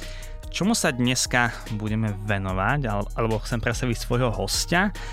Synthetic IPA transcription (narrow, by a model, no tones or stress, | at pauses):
t͡ʃɔmusad̪ɲɛska | buɟɛmɛʋɛnɔʋaɟaalɛbɔxt͡sɛmpɾɛt̪st̪aʋicsʋɔjɦɔɦɔsca